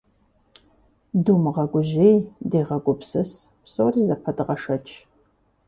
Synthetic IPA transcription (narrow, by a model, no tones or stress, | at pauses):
duːmɨʁɐɡʷʊʑejdeːʁɐɡʷʊpsɨs | psoːriːzɐpʰɐdɨʁɐʂɐt͡ʃʰʼ